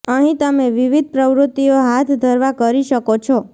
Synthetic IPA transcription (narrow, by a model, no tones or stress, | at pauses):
əɦĩt̪əmeʋiʋid̪̚ʱpɾəʋɾʊt̪ːioɦat̪ʰd̪ʱəɾʋakəɾiʃəkot͡ʃʰo